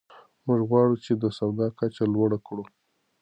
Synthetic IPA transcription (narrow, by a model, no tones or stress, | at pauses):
muʒɣwɑɽut͡ʃed̪əsawd̪ɑkat͡ʃalwaɽakɽu